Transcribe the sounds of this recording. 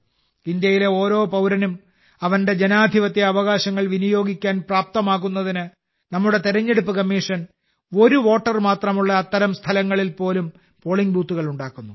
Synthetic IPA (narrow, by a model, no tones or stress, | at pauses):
ind̪jɐjile̞o̞ːɾo̞ːpɐwɾɐnum | ɐʋɐnde̞d͡ʑe̞naːd̪ʱiʋɐt̪ːeɐʋɐɣaːɕɐŋːɐɭʋinijo̞ːɡʱikʲːaːnpraːp̚t̪ɐmaːkːunːɐðinɨ | nɐmːuɽe̞t̪iɾɐɲːe̞ɽupːɨkɐmːiːʂɐn | o̞ɾuʋo̞ːʈːɐrmaːt̪rɐmuɭːɐːt̪ːɐɾɐmst̪ʰɐlɐŋːɐɭilpo̞ːlum | po̞ːɭiŋbuːt̪ːuɣɐɭuɳɖaːkːunːu